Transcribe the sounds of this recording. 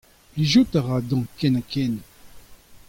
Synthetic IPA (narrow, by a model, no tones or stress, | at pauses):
iʒut̪aʁad̪ɑ̃kɛnakʰɛn